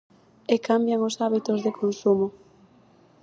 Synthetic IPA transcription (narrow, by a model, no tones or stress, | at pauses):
ekambjaŋʊsaβit̪ʊzðekʰonsumʊ